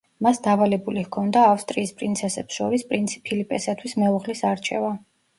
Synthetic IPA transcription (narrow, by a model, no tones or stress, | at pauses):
masd̪avalɛbulihkʰɔnd̪aːfst̪ʼɾiːspʼɾint̪sʰɛsɛpsʃɔɾispʼɾinpʰilipʼɛsat̪ʰwismɛuʁlisaɾt͡ʃʰɛ̰va